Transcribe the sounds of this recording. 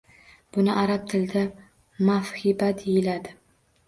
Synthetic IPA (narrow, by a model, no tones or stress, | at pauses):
b̥ʊnɪʔaɾap̚t̪ʰɪld̪a | mafhɪbad̪ejɪlad̪ɪ